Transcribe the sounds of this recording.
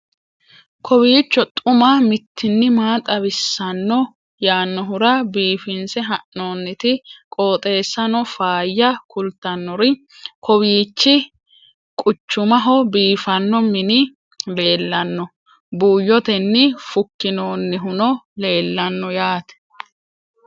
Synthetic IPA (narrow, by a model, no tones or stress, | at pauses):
kʰɔbiːt͡ʃːɔt̪ʼʊmɐmɪt̪ʰːɪnːɪmaːt̪ʼɐbɪsːɐnːɔ | jaːnːɔɦʊɾɐbiːfɪnsɛɦɐʔno̞ːnːɪt̪ɪkʼoːt̪ʼe̞ːsːɐnɔfaːjːɐkʰʊlt̪ːɐnːɔɾɪ | kʰɔwiːt͡ʃːɪ | kʼʊt͡ʃːʊmɐɦɔbiːfɐnːɔmɪnɪ | le̞ːlːɐnːɔ | buːjːɔt̪ɛnːɪfʊkːɪnoːnːɪɦʊnɔle̞ːlːɐnːɔjaːt̪ɛ̥